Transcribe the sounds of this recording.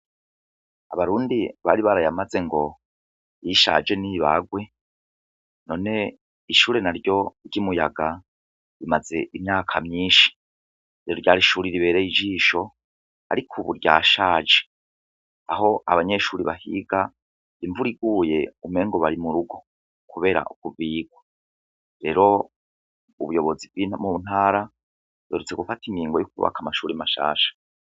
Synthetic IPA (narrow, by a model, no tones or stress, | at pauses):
aβaɾuːndiβaɾiβaɾajamaze̞ŋɡo̞ | jiʃa̰d͡ʒe̞niβa̰ɡwe̞ | no̞ːne̞ | iʃuːɾe̞naɾjo̞ɟimujaɡa | ɾimaze̞ʔimɲaːkʰamɲiːʃi̥ | iɾoɾɟaːɾiʃuːɾiɾiβe̞ːɾeid͡ʒiːʃo̞ | a̰ɾikʰuβuɾɟa̰ːʃaːd͡ʒe̥ | aɦo̞ʔaβaɲe̞ʃuːɾiβahḭɡa | iɱvuɾiɡuːje̞ume̞ːŋɡo̞βaɾimuɾuɡo̞ | kuβe̞ːɾa̰ʔukuviːɡ̥wa | ɾe̞ɾo̞ | uβujo̞βo̞zivɡimun̥haːɾa | weːɾut͡se̞ɡufatimɡiːŋɡo̞jukuβa̰kamaʃuːɾimaʃa̰ːʃḁ